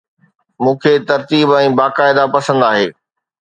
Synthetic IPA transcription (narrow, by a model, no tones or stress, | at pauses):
mũːkʰet̪ɐɾt̪iːbɛ̃ːbaːkaːɪd̪apɐsə̃nd̪aːɦeː